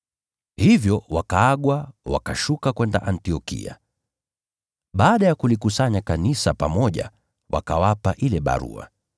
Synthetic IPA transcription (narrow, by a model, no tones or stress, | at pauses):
hivjɔwakaaɠwawa̰kaʃukakwɛnda̰ʔantiɔkḭa̰ | ɓaːɗajakulikusaɲakanisapamɔʄa̰ | wa̰kawapaʔilɛɓa̰ɾṵa̰